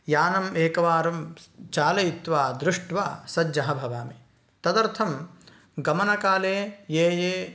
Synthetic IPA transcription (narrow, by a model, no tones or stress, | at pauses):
jaːnɐmeːkɐʋaːɾɐmt͡ʃaːlɐjit̪ʋaːd̪ɾɪʂʈʋa̰ːsɐd͡ʒjɐɦɐbʱɐʋaːme | t̪ɐd̪ɐɾt̪ʰɐm | ɡɐmɐnɐkaːleːjeːjeː